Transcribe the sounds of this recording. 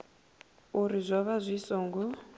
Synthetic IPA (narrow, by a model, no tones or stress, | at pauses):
uɾizʷaβazʷisɔːŋɡɔ